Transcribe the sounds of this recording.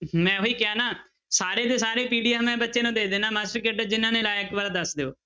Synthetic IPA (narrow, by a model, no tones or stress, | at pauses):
mɛ̃ːoiːkɪjaːnaː | saːɾeːd̪eːsaːɾeːpiːɖijaːmɛ̃ːbətːʃeːnũːd̪eːd̪eːnaːmaːsʈəɾkeɖəːd͡ʒɪnːãːnẽːlaːɪkbaːɾaːd̪əsd̪eːo̰ː